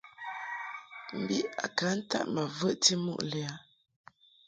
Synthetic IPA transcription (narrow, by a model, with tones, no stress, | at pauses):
m̩˨bi˦a̰˨ka˨˦n̩˦ta̰˦ʔmə˨və˦ʔti˦mṵ˦ʔlɛ˨a˨˦